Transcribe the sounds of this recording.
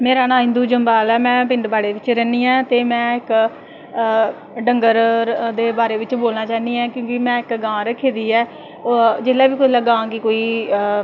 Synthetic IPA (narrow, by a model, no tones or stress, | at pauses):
meːɾaːnãːɦɪ̃nd̪uːd͡ʒəmbaːlɛːmɛ̃ːpɪɳɖbaːɽeːʋɪt͡ʃɾɛːniːɛ̃ːt̪eːmɛ̃ːɪk | ɖəŋɡəɾd̪eːbaːɾeːʋɪt͡ʃboːlnaːt͡ʃaːniːɛ̃ːkjõːkɪmɛ̃ːɪkɡãːɾəkʰːeːd̪iːɛː | d͡ʒeːlɛːʋiːkʊləɡãːkɪkoːiː